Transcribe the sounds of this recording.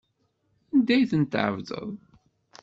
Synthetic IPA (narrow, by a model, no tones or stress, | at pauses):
ænd̪æjθənt̪ːʕə̰vðˤə̰ðˤ